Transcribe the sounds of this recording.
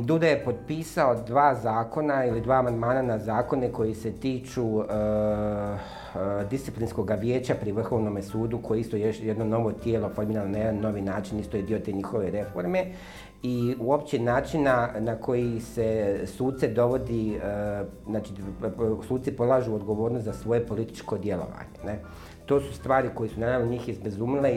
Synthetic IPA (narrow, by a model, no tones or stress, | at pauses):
d̪ud̪ajepo̞t̪̚piːsao̞d̪ʋaːzaːko̞nailid̪ʋaːmand̪maːnanazaːko̞neko̞jise̞t̪iːt͡ʃuə | d̪ist̪iplinsko̞ɡaʋjeːt͡ɕapɾiʋr̩xo̞ʋnomesuːd̪ukojeist̪ojejed̪no̞no̞ʋo̞t̪jeːlo̞fo̞ɾmiːɾalonajed̪anːo̞ʋinaːt͡ʃinist̪o̞jed̪io̞t̪eːɲixo̞ʋe̞ɾe̞fo̞ɾme̞ | iuo̞pt͡ɕenaːt͡ʃinanako̞jisesuːt̪t̪sed̪o̞ʋo̞d̪iə | znaːt͡ʃisuːt̪t̪ipo̞d̪lˠaːʒuod̪ɡo̞ʋoːɾnost̪zasʋo̞je̞po̞lit̪i̥t͡ʃko̞d̪je̞lo̞̰ʋa̰ːɲene | t̪o̞ːsu̥st̪ʋaːɾiko̞jesunad̪aʋnoɲiːxjezbezuːmile